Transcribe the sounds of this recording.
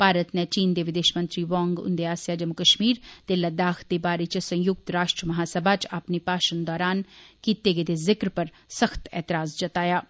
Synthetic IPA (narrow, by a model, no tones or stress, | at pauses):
paːɾət̪net͡ʃiːnd̪eʋɪd̪eːʃmɐ̃nt̪ɾiʋɔ̃ːŋɡʊ̰nd̪eaːsjad͡ʒɐmʊkɐʃmiːɾd̪eləd̪aːxʰd̪ebaːɾet͡ʃsɐ̃j̃jʊk̚t̪ɾaːʃʈɾəmɐɦaːsɐbʱat͡ʃaːpnipaːʃənd̪ɔːɾaːnkiːt̪eɡed̪ezɪkɾpɐɾ | sɐxt̪ɛ̰ːt̪ɪɾaːzd͡ʒɐt̪aːjaː